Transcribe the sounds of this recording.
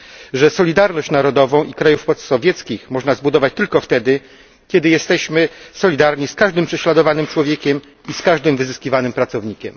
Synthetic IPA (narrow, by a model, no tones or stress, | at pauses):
ʐɛsɔlʲid̪aɾnɔɕt͡ɕnaɾɔd̪ɔvɔ̃w̃ʔikɾajufpɔt̪sɔvʲjɛt̪skʲixmɔʐnazbud̪ɔvat͡ɕt̪ɘlkɔft̪ɛd̪ɘ | kʲɛd̪ɘjɛst̪ɛɕmɘsɔlʲid̪aɾɲiskaʐd̪ɘmpʂɛɕlad̪ɔvanɘmt͡ʂwɔvʲjekʲɛm | iskaʐd̪ɘmvɘzɘskʲivanɘmpɾat̪sɔvɲikʲɛm